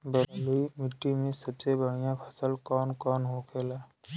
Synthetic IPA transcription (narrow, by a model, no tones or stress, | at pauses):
bəɾluimɪʈːimẽsəbsebəɽ̤ijapʰəsəlkɔːnkɔːnɦokʰeːlaː